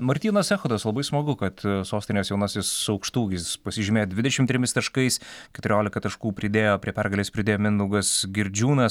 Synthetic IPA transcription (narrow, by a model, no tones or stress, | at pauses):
mɐɾʲt̪ʲiːnɐsʲɛxʊd̪ɐslˠɐbɐɪsmɐɡʊkɐt̪soːsʲt̪ʲɪnʲeːsjɛʊnɐsʲɪssʊɐʊkʃt̪uːɡʲɪsspɐsʲɪʒʲɪmʲeːjodʲʋʲɪd̪ʲɛʃʲɪmt̪ʲɾʲɪmʲɪst̪ɐʃkɐɪskʲɛt̪ʊɾʲoːlʲɪkɐt̪ɐʃkuːpʲɾʲɪd̪ʲeːjoːpʲɾʲiɛpʲɛrɡɐlʲeːspʲɾʲɪd̪ʲeːjoːmʲɪnd̪ɐʊɡɐsɡʲɪɾʲd͡ʒʲuːnɐs